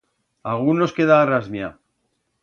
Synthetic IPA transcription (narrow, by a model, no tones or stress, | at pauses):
alɣ̞unːo̞ske̞ðaːrazmja